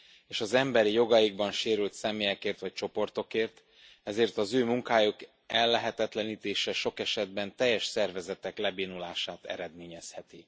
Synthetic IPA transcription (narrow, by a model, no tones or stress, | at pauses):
eːʃɒzɛmbɛɾijo̞ɡɒjiɡbɒnʃeːɾylt̪sɛmeːjɛkeːrt̪ʋɒc̚t͡ʃo̞po̞rt̪o̞keːrt̪ | ɛzeːrt̪ɒzøːmuŋkaːjok | ɛlːɛɦɛt̪ɛt̪lɛniːt̪eːʃɛʃo̞kɛʃɛd̪bɛnt̪ɛjːɛʃsɛrvɛzɛt̪ɛklɛbiːnulaːʃaːt̪ɛ̰ɾɛd̪meːɲɛshɛt̪i